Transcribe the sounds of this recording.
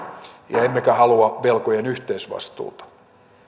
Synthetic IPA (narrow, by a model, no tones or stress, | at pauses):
jɑemːekæhɑluɑʋelkojenyht̪eisʋɑ̰st̪ṵːt̪ɑ̥